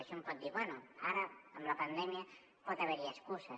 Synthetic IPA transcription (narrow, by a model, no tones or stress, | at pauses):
ʃompɔt̪̚d̪iɾβwɛnuaɾɐəmlapand̪ɛmija | pɔt̪aβɛɾieskusa